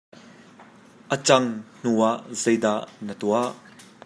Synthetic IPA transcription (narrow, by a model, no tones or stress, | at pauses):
ʔət͡sɐŋn̥uaʔzejd̪aʔnət̪uaʔ